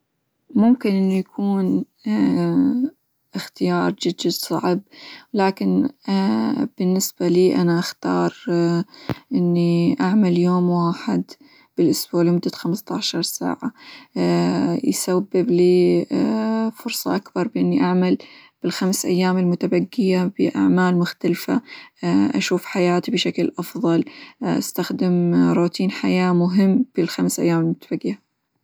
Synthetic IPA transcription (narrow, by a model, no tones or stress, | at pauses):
mʊmkɪnʔɪnːijakʰuːn | ʔɪxt̪ɪjɑːɾˤd͡ʒɪdːad̪sˤɑ̰ʕb̚laːkɪn | b̥ɪnːɪsb̥aliːʔanaʔaxt̪ɑ̰ːɾˤ | ʔɪnːiʔaʕmaljoːmwaːħɪd̪ | b̥ɪlʔʊsbuːʕlimʊd̪ːat̪xamst̪ɑʕʃɑɾˤsa̰ːʕa | jsabːɪbliː | fʊɾsˤɑ̰ʔakbɑɾˤbɪʔɪnːiʔaʕmalb̥ɪlxamsʔa̰jːaːmɪlmʊt̪abaɡːɪjabɪʔa̰ʕmaːlmʊxt̪alfa̰ | ʔa̰ʃuːfħajaːt̪ibɪʃaklʔɑfðˤɑlʔa̰st̪axd̪ɪmɾˤuːt̪ʰiːnħajaːmʊɦɪmːb̥ɪlxamsʔa̰jːaːmɪlmʊt̪ḁb̥aɡːɪja